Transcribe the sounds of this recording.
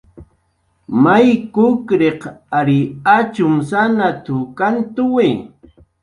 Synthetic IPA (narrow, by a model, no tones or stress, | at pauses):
majkʊkɾeqaɾɪat͡ʃʊmsanat̪ʊkant̪ʊwɪ